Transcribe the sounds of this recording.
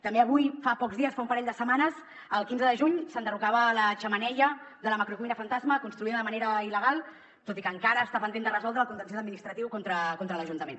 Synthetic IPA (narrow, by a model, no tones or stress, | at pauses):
t̪əmbeəβujfapɔkzðiəsfaũmpəɾɛʎʲd̪əsəmanəz | əlˠkinzəðəʒuɲsənd̪ərukaβələʒəmənɛʎəðələməkɾukuinəfənt̪azməkunst̪ɾuiðəðəməneɾəiləɣ̞alˠ | t̪ot̪ikəŋkaɾəːst̪apənd̪end̪ərəzɔlˠd̪ɾəːlkunt̪ənsiəd̪minist̪ɾət̪iwkont̪ɾəkont̪ɾələʒunt̪əmen